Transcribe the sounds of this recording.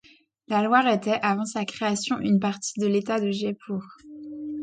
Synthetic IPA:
lalwaʁet̪ɛʔavɑ̃sakχeasjɔ̃ʔynpaʁt̪i̥d̪əlet̪ad̪əʒepʰuʁ

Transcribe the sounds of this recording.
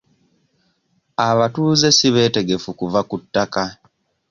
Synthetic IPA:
aβatuːze̞siβe̞ːte̞ɡe̞fukuvakutːaka

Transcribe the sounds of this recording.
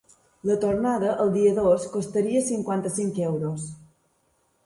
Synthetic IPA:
lət̪oɾnaðəʔəlˠd̪iəðoskost̪əɾiəsiŋkwant̪əsiŋkewɾos

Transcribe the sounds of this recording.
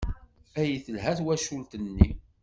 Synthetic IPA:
æjiθəlɦæθwæʃult̪ənːi

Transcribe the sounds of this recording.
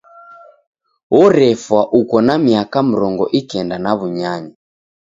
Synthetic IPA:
wɔɾɛfwaʔukɔnamiakam̩ɾɔŋɡɔʔikɛndanaβuɲaɲa

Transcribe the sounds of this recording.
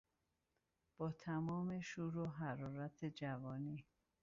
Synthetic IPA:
b̥ɒːt̪ʰæmɒːme̞ʃuːɾoɦæɾɒːɾæt̪ʰed͡ʒævɒːniː

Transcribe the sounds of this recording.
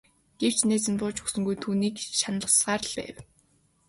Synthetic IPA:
ɡ̥ew̥t͡ɕnæːt͡sɘ̆mpʊːt͡ɕɵksɵ̆ŋɡujt̪ʰuːniːkʃanɮə̆sɢaːɾə̆ɮpæ̰ːw

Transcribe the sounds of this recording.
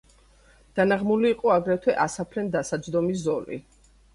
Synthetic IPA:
d̪̥anaʁmuliːqʼɔaɡɾɛt̪ʰwɛʔasapʰlɛnd̪asad̪zd̪ɔmiszɔlḭ

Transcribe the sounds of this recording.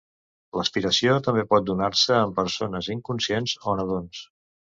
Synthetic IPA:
ləspiɾəsiot̪əmbepɔt̪̚d̪unaɾsəːmpəɾsonəziŋkunsienzonəð̞ons

